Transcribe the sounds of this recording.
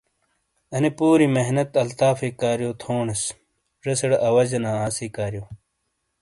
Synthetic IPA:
ɐnepuːɾimeɦnɐt̪ɐlt̪aːfiːkaːɾjoːt̪ʰoːɳɐs | ʐɐsɐɽʔɐwɐd͡ʑɐnaːaːsiːkaːɾjoː

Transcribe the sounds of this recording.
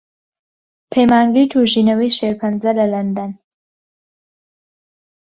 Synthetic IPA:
pʰemaːŋɡijt̪ʰuʒinɐwiːʃeɾpʰɐnzɐlɐlɐnd̪an

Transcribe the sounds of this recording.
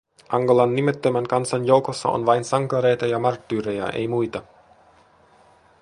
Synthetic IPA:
ʔɑŋɡolɑnːimet̪ːømæŋkɑnsɑnjo̞wkosːɑ̰o̰nʋɑjnsɑŋkɑɾe̞jt̪ɑjɑmɑrt̪ːyːɾejɑ̰ʔḛjmujt̪ɑ

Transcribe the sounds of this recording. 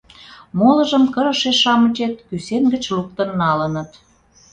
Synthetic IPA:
molə̆ʒəmkəɾə̆ʃeʃɑmə̆t͡ɕet̪̚kysenɡə̆t͡ɕluk̚t̪ənːɑlə̆nə̆t̪

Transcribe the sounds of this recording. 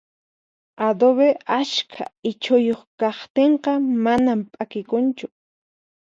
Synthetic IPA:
ad̪oβeaskʰa̰ɪt͡ʃʊjoχkɑχt̪eɴqɑmanampʼakɪkʊnt͡ʃʊ

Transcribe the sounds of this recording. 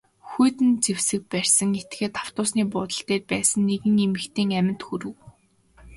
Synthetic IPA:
xujt̪ɘ̆nt͡sewsɘ̆k̚pærʲsə̆ŋet̪̚ɡeːt̪ʰaw̥t̪ʊːsniːpʊːt̪ə̆ɬt̪eːt̚pæːsə̆nːeɣɘ̆ŋemɘ̆kt̪ʰeːŋæmʲɪ̆nt̪xuɾɘ̆w

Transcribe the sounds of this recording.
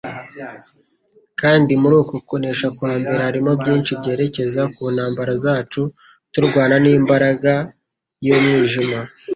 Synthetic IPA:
kaːndimuɾuːkokoneːʃakwaːmbe̞ɾahaɾimo̞bɟiːnʃibɟe̞ːɾe̞ce̞zakuːnhaːmbaɾazaːt͡ʃu | tuɾɡwaːnaniːmbaɾaɡa | jomɲiːʒima

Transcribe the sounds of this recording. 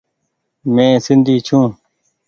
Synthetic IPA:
mẽːsɪnd̪ʱiːt͡ʃʰũː

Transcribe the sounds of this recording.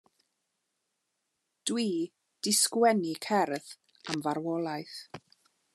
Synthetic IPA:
d̥wiː | d̥ɪskwɛnikʰɛrð | amvaɾwɔlˠajθ

